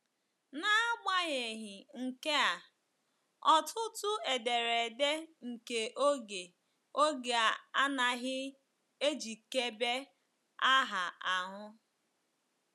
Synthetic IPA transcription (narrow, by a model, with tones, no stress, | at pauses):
na˦a˦ɡ͡ba˦ɲe˨ɦɪ˨ŋ̩˨ke˦a˨ | ɔ˨tʰʊ˦tʊ˦e˨de˨ɾe˨de˦ŋ̩˨ke˨ʔo˦ɡe˨ | o˦ɡe˨a˦na˨ɦɪ˦ | e˦d͡ʒi˨ke˦be˦ | a˦ɦa˨a˨ɦʊ˦